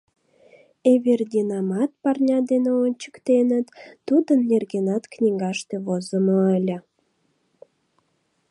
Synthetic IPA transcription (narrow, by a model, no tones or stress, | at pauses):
eβerd̪ʲinɑmɑt̪̚pɑrnʲɑd̪eneonʲt͡ɕə̥kt̪enət̪ːud̪ənːerɡenɑt̪knʲiŋɡɑʃt̪eβozəməəlʲə̆